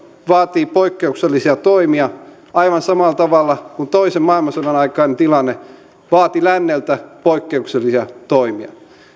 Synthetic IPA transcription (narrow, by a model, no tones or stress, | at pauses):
ʋɑːt̪iːpoikːeukselːisiɑt̪oimiɑ | ɑiʋɑnsɑmɑˑlt̪ɑʋɑlːɑkunt̪oisemmɑilmɑsɑnɑnɑikɑinnt̪ilɑnːe | ʋɑːt̪ilænːelt̪æpoikːeukselːisiɑt̪oimiɑ̰